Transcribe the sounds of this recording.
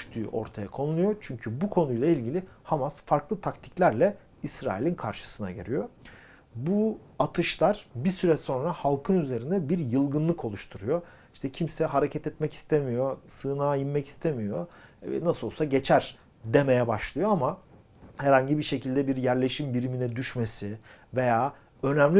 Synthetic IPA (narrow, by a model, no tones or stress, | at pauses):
yʃt̪ʰy̰ːʔo̞̰ɾt̪ʰaja̰kʰo̞nulujot͡ʃʰyɲcʰybukʰo̞nujlˠailʲɟilʲihamasfaɾklˠɯt̪ʰakt̪ʰi̥clʲæɾlʲɛ | isɾa̰ːilʲinkʰa̰ɾʃɯ̥sɯna̰ɟḛɾʲijo̞ | bu | at̪ʰɯʃlˠaɾ̥bisyɾɛso̞nɾahalˠkʰɯnyze̞ɾind̪ɛbiɾjɯlˠɡɯnlˠɯkʰo̞lˠuʃt̪ʰuɾujo | iʃt̪ʰɛcʰimsɛɦaɾecʰɛt̪ɛt̪mɛci̥st̪ʰemijo̞sɯːnaːjimːɛci̥st̪ʰemijo̞nasɯolˠsaɟe̞t͡ʃʰæɾ̥ | d̪e̞me̞jɛbaʃlˠɯjo̞ama | hɛɾhaɲɟibiʃe̞cʰilʲd̪ɛbiɾjæɾlʲe̞ʃimbiɾiminɛd̪yʃme̞si | ve̞jaː | ø̞næmlʲ